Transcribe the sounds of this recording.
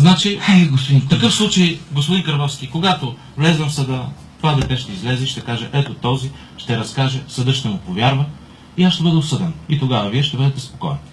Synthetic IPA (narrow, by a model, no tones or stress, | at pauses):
znat͡ʃiɛɡospd̪ift̪ɐkɤfslˠut͡ʃejɡospʊd̪inkɐɾvɔfskʲikoɡat̪o | vlɛzvɐmfsɐd̪ə | t̪vad̪ɐt̪ɛʃt̪ɛizlɛzɛʃt̪ɛkaʒɛ̰ʔɛt̪ot̪ɔzi | ʃt̪ɛɾɐskaʒɛsɐd̪ɤʃt̪ɛmʊpovʲjaɾvə | iasʃt̪ɛbɤd̪ɛosɤd̪ɛnit̪oɡavɐviɛʃt̪ɛbɤd̪ɛt̪ɛspo̥kɔ̰jɛn